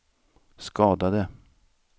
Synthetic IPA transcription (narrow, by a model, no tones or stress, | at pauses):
skɑːd̪ad̪ə